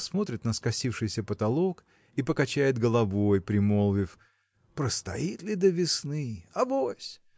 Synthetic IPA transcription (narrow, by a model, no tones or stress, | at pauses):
smo̞t̪ɾʲɪt̪nəskɐsʲifʂɨjsʲəpət̪ɐlˠo̞k | ipəkɐt͡ɕæjɪd̪ɡəlˠɐvo̞jpɾʲɪmolˠvʲɪf | pɾəst̪ɐit̪lʲɪd̪əvʲɪsnɨɐbosʲ